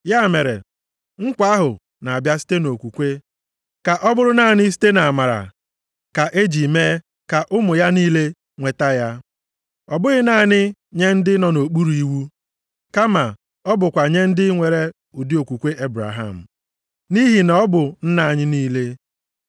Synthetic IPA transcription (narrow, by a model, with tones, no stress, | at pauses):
ja˦˨me˨ɾḛ˨ | ŋ̩˦kʷa˦ɦʊ˨ | na˨bja˦si̥˦te˦no˨kʷu˨kʷe˦ | ka˨ʔɔ˦bʊ˦ɾʊ˦na˦˨ɲɪ˦s̬i̥˦te˦na˨ma˨ɾa̰˨ | ka˨ʔe˦d͡ʒi˨me˦ | ka˨ʔʊ˦mʊ˨ja˦niː˦le˦ | ŋʷe˨ta˦ja˦ | ɔ˨bʊ˦ɣɪ˦na˦˨ɲɪ˦ɲe˦n̩˦dɪ˦nɔ˨no˨k͡pu˦ɾu˨i˦wu˦ | ka˦ma˨ | ɔ˦bʊ˨kʷa˨ɲe˦n̩˦dɪ˦ŋʷe˨ɾe˦ | ʊ˨di˦o˨kʷu˨kʷe˦ʔe˦bɾa̰˨ɦa̰˦˨m̩˨ | ni˦ɦi˨na˨˦ɔ˦bʊ˨n̩˦na˨ɲɪ˦niː˦le˦